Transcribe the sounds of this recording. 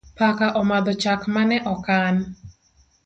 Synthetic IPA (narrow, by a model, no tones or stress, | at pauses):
pakaʔɔmad̪ɔt͡ʃakmanɛʔɔkan